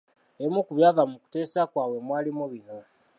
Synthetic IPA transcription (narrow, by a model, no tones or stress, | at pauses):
emukuβjaːvamuku̥te̞ːsakwaːwe̞mwaːlimoβino̞